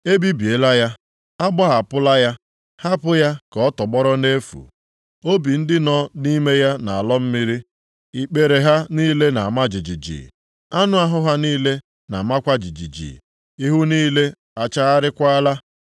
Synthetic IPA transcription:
e˦bi˦bi˨e˨la˦ja˦ | a˦ba˦ɦa˨pʊ˦la˦ja˦ | ha˦pʊ˦ja˦kɔ˦tɔ˨ɡ͡bɔ˦ɾɔ˦ne˦fṵ˨ | o˦bi˨n̩˦dɪ˦nɔ˦ni˦me˦ja˦na˨a˨lɔ˦m̩˦mi˦ɾi˦ | i˨k͡pe˨ɾe˨ɦa˦niː˦le˦na˨ma˦d͡ʒi˨d͡ʒi˨d͡ʒḭ˨ | a˦nʊ˦a˦ɦʊ˦ɦa˦niː˦le˦ | na̰˨ma˦kʷa˦d͡ʒi˨d͡ʒḭ˨d͡ʒḭ˨ | i˦ɦu˦niː˦le˦ | a˨t͡ʃa˦a˦ɾɪ˦kʷa˦a˦la˦

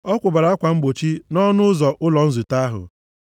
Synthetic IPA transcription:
ɔ˦kʷʊ˨ba˨ɾa˨˦a˦kʷa˨ŋ͡m̩˦ɡ͡bo˨t͡ʃi˦nɔ˦nʊ˦zɔ˨ʔʊ˦lɔ˨n̩˦zu˨ta˦a˦ɦʊ̰˨

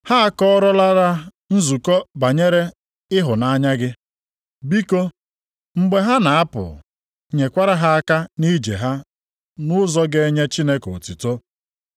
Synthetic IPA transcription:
ha˦a˦kɔ˦ɔ˦ɾɔ˦la˦ɾa˦ | n̩˦zu˨kɔ˦ba˨ɲe˦ɾe˦ | ɪ˦ɦʊ˨na˦ɲa˦ɡɪ˦ | bi˦ko˦ | ŋ͡m̩˦ɡ͡be˨ɦa˦na˨a˦pʊ̰˨ | ɲe˨kʷa˦ɾa˦ɦa˦a˦ka˦ni˦d͡ʒḛ˨ɦa˦ | nʊ˦zɔ˦ɡe˦ɲe˦t͡ʃi˦ne˦ko˨ti˨to˦

